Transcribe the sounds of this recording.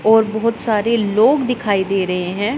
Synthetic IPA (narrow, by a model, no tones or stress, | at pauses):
ɔːɾbɔɦʊt̪saːɾeloːɡd̪ɪkʰaːid̪eːɾəɦeɦɛ̃ː